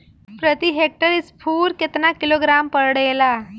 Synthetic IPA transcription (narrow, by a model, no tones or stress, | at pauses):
pɾət̪iɦek̚ʈəɾispʰuːɾket̪nakiloɡɾampəɾɽəjla